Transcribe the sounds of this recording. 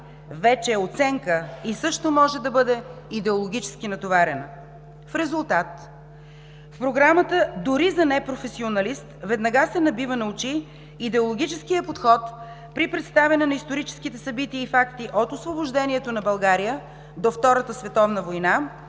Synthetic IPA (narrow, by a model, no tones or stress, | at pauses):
vɛt͡ʃɛːot̪sɛŋkəisɤʃt̪omɔʒɛd̪ɐbɤd̪ɛid̪ɛolˠoɡ̟ʲit͡ʃɛ̥sk̟inɐt̪ovaɾɛnə | fɾɛzulˠt̪at̪ | fpɾoɡɾamət̪əd̪ʊɾizɐnɛpɾofɛsionɐlist̪vɛd̪nɐɡasɛnɐbivənɐut͡ʃiː | d̪ɛolˠoɡ̟ʲit͡ʃɛskijəpot̪xɔt̪ | pɾipɾɛt̪st̪avɛnɛnɐist̪oɾit͡ʃɛ̥sk̟it̪ɛsɐbit̪iəifakt̪iʔot̪osvoboʒd̪ɛniɛt̪onɐbɐlˠɡaɾijə | d̪oft̪ɔɾət̪əsvɛt̪ɔvnəvojna